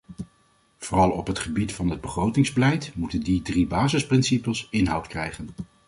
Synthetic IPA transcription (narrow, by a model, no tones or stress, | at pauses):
v̥orɑlˠɔ̰pɦətχəbitfɑnɦəd̚bəχrowtɪŋzbəlɛjtmutəndidribaːzəsprɪnsipəlˠsɪnɦɑwtkrɛjχən